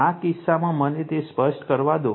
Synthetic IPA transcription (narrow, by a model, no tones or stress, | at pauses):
akɪsːamãmənet̪espəʃʈkəɾʋad̪o